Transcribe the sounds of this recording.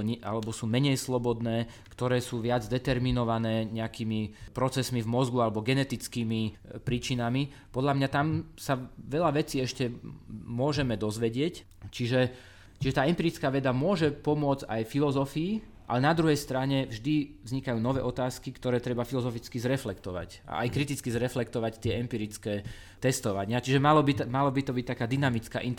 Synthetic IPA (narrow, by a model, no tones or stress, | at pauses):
ɲʔa̰lɛbɔsuːmɛɲɛjslɔbɔd̪nɛː | kt̪ɔɾɛːsuːʋɪad͡zd̪ɛt̪ɛɾminɔʋanɛːɲɛakiːmipɾɔt͡sɛsmivmɔzɡualɛbɔɡɛnɛt̪it͡skiːmipɾiːt͡ʃinami | pɔd̪ʎamɲat̪amsaʋɛʎaʋɛt͡siːɛʃcɛmʊɔʒɛmɛd̪ɔzʋɛɟɪɛc | t͡ʃiʒɛ | t͡ʃiʒɛt̪aːɛmpiːɾit͡skaːʋɛd̪amʊɔʒɛpɔmʊɔd͡zajfilɔzɔfiː | ʔa̰lɛnad̪ɾuɦɛjst̪ɾaɲɛvʒd̪ivzɲikajuːnɔʋɛːʔɔt̪aːskikt̪ɔɾɛːt̪ɾɛbafilɔzɔfit͡skizɾɛflɛkt̪ɔʋa̰c | a̰ʔa̰jkɾit̪it͡skizɾɛflɛkt̪ɔʋact̪ɪɛɛmpiːɾit͡skɛː | t̪ɛst̪ɔʋaɲɪat͡ʃiʒɛmalɔbimalɔbit̪ɔbic̚t̪akaːd̪inamit͡ska̰ːʔint̪